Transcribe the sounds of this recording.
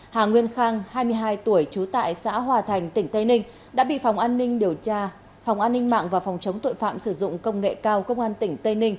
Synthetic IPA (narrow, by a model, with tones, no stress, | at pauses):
haː˨˩ŋwi˧ənxaː˧ŋhaː˧jmɨ˧əjɦaː˧jt̪u˧˩əjt͡ɕu˨˦t̪a̰ː˧˨jsa̰ː˧˥ɦwaː˨˩t̪ʰa˨˩jŋ̟t̪ï˧˩ŋ̟t̪ə˧jnï˧ŋ̟ | ɗa̰ː˧˥ɓḭ˧˨fa˨˩wŋ͡mʔaː˧nːï˧ŋ̟ɗi˨˩əwt͡ɕaː˧ | fɔ˨˩wŋ͡mʔaː˧nːï˧ŋ̟ma̰ː˧˨ŋvaː˨˩fɔ˨˩wŋ͡mt͡ɕə˨˦wŋ͡mt̪o̰˧˨jfa̰ː˧˨msɨ˧˩zʊ̰˧˨ŋ͡mkə˧wŋ͡mŋḛ˧˨kaː˧wkə˧wŋ͡mʔaː˧nt̪ï˧˩ŋ̟t̪ə˧jnï˧ŋ̟